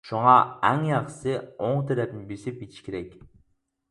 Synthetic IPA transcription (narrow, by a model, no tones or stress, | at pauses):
ʃuŋɑæŋjɑqsɨoŋt̪ʰeɾæpnɪbesipit̪ʰi̥ʃkʲʰeɾɛkʲ